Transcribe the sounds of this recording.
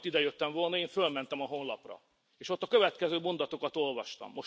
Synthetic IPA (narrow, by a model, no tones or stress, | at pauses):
t̪ːid̪ɛjøt̪ːɛɱvo̞lnɒeːɱfølmɛnt̪ɛmɒɦo̞nlɒprɒ̰ | eːʃo̞t̪ːɒkøvɛt̪kɛzøːmo̞nd̪ɒt̪o̞kɒt̪o̞lvɒʃt̪ɒ̰mːo̞ʃ